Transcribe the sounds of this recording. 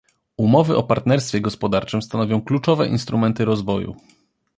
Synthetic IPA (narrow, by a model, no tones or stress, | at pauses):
umɔvɘʔɔpaɾt̪nɛɾst̪fʲjɛɡɔspɔd̪aɾt͡ʂɘmst̪anɔvʲjɔ̃w̃klut͡ʂɔvɛ̰ʔḭnst̪ɾumɛnt̪ɘɾɔzvɔjṵ